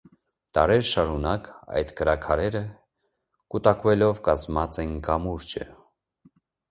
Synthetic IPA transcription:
t̪ɑ̰ɾɛɾʃɑɾunɑkɑ̰jt̪kəɾɑkʰɑɾɛɾə | kut̪ɑkvɛlɔvkɑzmɑt͡sɛnkɑmuɾd͡ʒə̰

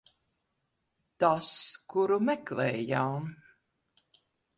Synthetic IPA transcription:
t̪askuɾumɛklɛːjaw

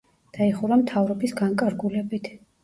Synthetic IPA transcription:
d̪̥aiχuɾamt̪ʰavɾɔbisɡaŋkʼaɾɡulɛbit̪ʰ

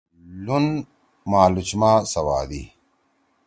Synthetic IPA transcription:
lun | maːlut͡ɕmaːsɐwa̰ːd̪ḭ

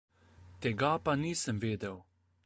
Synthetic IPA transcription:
t̪ɛɡapaniːsəmʋeːd̪ɛw

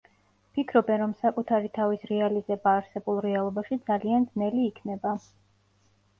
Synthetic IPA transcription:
pʰikʰɾɔbɛnɾɔmsakʼut̪ʰaɾit̪ʰavisɾɛalizɛbaːɾsɛbulˠɾɛalˠɔbaʃid̪zaliand̪znɛliːkʰnɛba

